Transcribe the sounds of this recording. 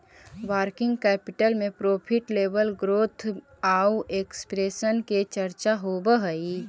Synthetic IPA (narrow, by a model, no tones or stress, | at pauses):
ʋaːɾkɪ̃ŋɡkɛːpɪʈəlmẽpɾoːpʰɪʈleːʋəlɡɾoːt̪ʰ | aːueːkspɾeːsənket͡ʃɐɾt͡ʃaɦoːbəɦəi